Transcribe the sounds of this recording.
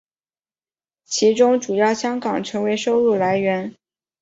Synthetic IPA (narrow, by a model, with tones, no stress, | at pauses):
t͡ɕʰi˧˥ʈ͡ʂʊ˥ŋʈ͡ʂu˨˩jɑ˥˩ʊɕjɑ˥ŋkɑ˨˩ŋʈ͡ʂʰɤ˧˥ŋwe˧˥ɪʂo˥ʊlu˥˩la˧˥ɪɥɛ˧˥n